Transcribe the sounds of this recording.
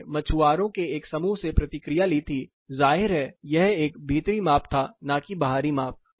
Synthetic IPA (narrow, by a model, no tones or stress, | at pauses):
mɐt͡ʃʰuaːɾõkeeːksɐmuːɦsepɾɐt̪ɪkɾijalit̪ʰi | zaːɦɪɾɦɛjɛɦeːk̚bʱiːt̪ɾimaːp̚t̪ʰanãːkibɐɦaːɾimaːp̚